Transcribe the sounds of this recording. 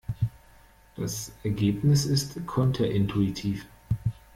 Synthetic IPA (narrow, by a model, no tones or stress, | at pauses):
d̥asʔɛɐɡeːpnɪsɪstkʰɔntʰɐʔɪntʰuitʰiːf